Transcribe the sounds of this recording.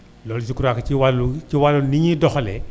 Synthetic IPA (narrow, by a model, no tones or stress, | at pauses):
lɔlsikuɾakaiwalut͡ʃiwaluniɲidɔxlɛ̰